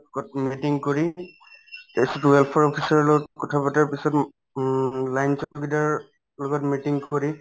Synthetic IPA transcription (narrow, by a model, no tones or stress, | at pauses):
kɔmitiŋkoɹi | tesɔtwɛlpʰɔɹɔpʰisaɹlɔɡɔtkɔtʰapataɹpisɔt | lajnsɔɡidaɹ | lɔɡɔtmitiŋkoɹi